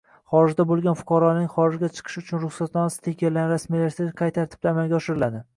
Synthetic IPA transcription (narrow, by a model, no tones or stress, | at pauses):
χɒɾɪʒd̪abolˠɡʲanfʊ̥qʰɑɾɒnɪŋχɒɾɪʒɡʲat͡ʃʰɨ̥qʰɨ̥ʃʊt͡ʃʰʊnɾʊχsat̪nɒnasɪ̥t̪ʰekʲellːanɾasmilaɾsaqʰɑjt̪ʰaɾɪt̪ʰɪ̥t̪amalɡʲaɒʃɪɾɪlad̪ɪ